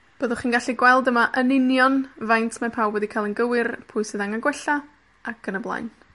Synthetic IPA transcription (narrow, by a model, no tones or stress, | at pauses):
b̥əːðʊχiːnɡaɬiɡwɛlˠdəmaʔənɪnjɔnvajntʰmapʰawwɛdikʰajlˠənɡəwɪrpʰʊjsɨðaŋaɡwɛɬa | akʰənəblˠa̰jn